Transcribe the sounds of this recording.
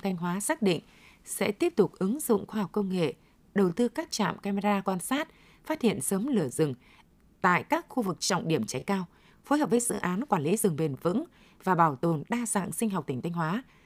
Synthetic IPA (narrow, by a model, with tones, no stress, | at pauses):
t̪ʰa˧jŋ̟ɦwaː˨˦saː˦˥k̚ɗḭ˧˨ŋ̟ | sɛ̰˧˥t̪i˦˥əp̚t̪ʊ˨˩k͡p̚ʔɨ˨˦ŋzʊ̰˧˨ŋ͡mxwaː˧hɔ˨˩wk͡p̚kə˧wŋ͡mŋḛ˧˨ | ɗə˨˩wt̪ɨ˧kaː˦˥k̚t͡ɕa̰ː˧˨mkaː˧me˧zaː˧kwaː˧nsaː˦˥t̚ | faː˦˥t̚hḭ˧˨ənsəː˨˦mlɨ˧˩əzɨ˨˩ŋ | t̪a̰ː˧˨jkaː˦˥k̚xu˧vɨ˨˩k̚t͡ɕɔ̰˧˨wŋ͡mɗi˧˩əmt͡ɕa˨˦jkaː˧w | fo˨˦jɦəː˨˩p̚vəː˨˦jzɨ̰˧˨ʔaː˨˦nkwaː˧˩nlḭ˨˦zɨ˨˩ŋɓe˨˩nvɨ̰˧˥ŋ | vaː˨˩ɓaː˧˩wt̪o˨˩nɗaː˧za̰ː˧˨ŋsï˧ŋ̟ɦwk͡p̚t̪ï˩ŋ̟t̪ʰjŋ̟hwaː˨˦